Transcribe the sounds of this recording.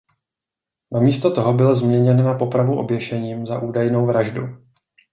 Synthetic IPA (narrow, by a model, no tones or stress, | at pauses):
namiːst̪ot̪o̞ɦo̞bɪlzmɲɛɲɛnnapo̞pɾavuʔo̞̰bjɛʃɛɲiːmzaʔuːdajno̞wvɾaʒdu